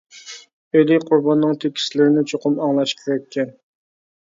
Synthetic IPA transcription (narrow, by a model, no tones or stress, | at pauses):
øliqʰʊɾbɑnːɨŋt̪ʰekʲʰi̥slɪɾɪnɪt͡ʃʰoqʰʊmɑŋlˠɑʃkʲʰeɾɛkʲːɛn